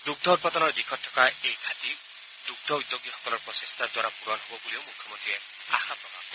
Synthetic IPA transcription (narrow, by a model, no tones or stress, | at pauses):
d̪uɡ̚d̪ʱɔud̚pat̪ɔnɔɹd̪ikʰɔtʰːɔ̥kaejɡʱat̪i | d̪uɡ̚d̪ʱɔudzoɡiɦɔkɔlɔɹpɔsest̪ʰad̪waɾapuɾɔnɦobɔbuliomukʰːjɔmɔnt̪ie | a̰xapɔpa̰